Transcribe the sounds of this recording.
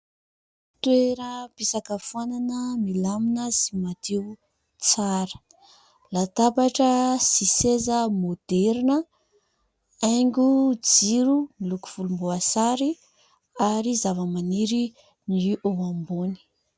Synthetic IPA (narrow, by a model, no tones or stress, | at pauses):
t̪weɾəpisakəfuananəmilaminəsimat̪eu | t͡saɾə̥ | lat̪apaʈ͡ʂəsisezəmod̪̥ɛɾinə | ajŋɡʲud͡ziɾumiluku̥v̥ulumboasaɾi | aɾizavəmaniɾi | niʔoamboni̥